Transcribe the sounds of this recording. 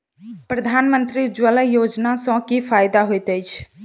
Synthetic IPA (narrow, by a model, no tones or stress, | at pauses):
pɾəd̪ʱaːnmənt̪ɾid͡ʒwələjod͡ʒnasə̃kipʰajd̪aɦojt̪əjt͡ʃʰ